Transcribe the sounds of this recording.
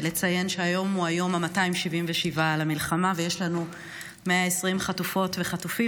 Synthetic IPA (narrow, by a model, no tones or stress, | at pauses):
let͡saje̞nʃeajo̞muajo̞mamataimʃivimveʃivalamilχamavejeʃlanu | meaesʁimχatufo̞tveχatufi